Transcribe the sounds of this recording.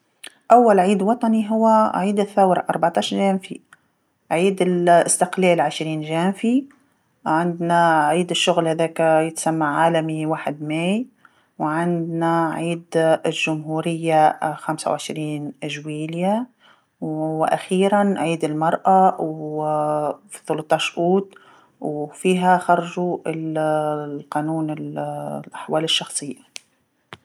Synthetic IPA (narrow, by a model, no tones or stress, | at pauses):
ʔawːalʕiːd̪wɑt̪ˤɑniɦʊwːaʕiːd̪ɪθːawɾʔɑɾˤbaʕt̪ɑːʃɾʒaːmfi | ʕiːd̪ɪlʔɪst̪ɪqleːlʕɪʃɾiːnʒaːmfi | ʕɪnd̪naʕiːd̪ɪʃːʊɣlhaðeːkjɪt̪samːaʕaːlamiwaːħɪd̪meːj | wʕɪnd̪naʕiːd̪lʒʊmɦuːɾɪjːaxamsa̰wʕɪʃɾiːnʔɪʒwiːlja | wʔa̰xiːɾanʕiːd̪ɪlmɑɾˤʔaw | fiθʊlʊt̪ˤːɑːʃʔuːt̪ | wfiːɦaxɑɾˤɑʒuɪl | lqɑːnuːnɪllʔaħwaːlɪʃːɑxsˤɨjːa